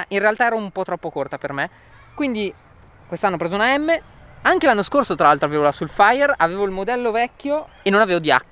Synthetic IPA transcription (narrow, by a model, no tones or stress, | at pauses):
ʔinrealt̪aɛːɾoumpɔt̪ɾɔpːokort̪aperme | kwind̪i | kwest̪anːopɾeːzounaɛmːe | aŋkelanːoskorsot̪ɾalalt̪ɾoaveːvolasulfajeraveːvoilmod̪ɛlːovɛkːjoenːonaveːvod̪ia̰kː